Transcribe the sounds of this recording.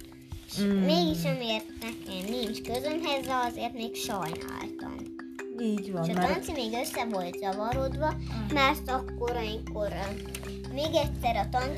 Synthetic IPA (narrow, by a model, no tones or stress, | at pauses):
ʃmeːɡiʃɒmeːrt̪nɛkɛmnint͡ʃkøzønɦɛzrɛɒzeːrt̪meːkʃɒjna̰ːlt̪ɒ̰m | iːɟʋɒʃɒːt̪ɒnt̪simeːɡøsːɛvo̞lt̪zɒvɒɾod̪ʋɒmaːrt̪ɒkːoɾɒjiŋkoɾ | meːɡɛt̪ʲsɛɾɒt̪ɒn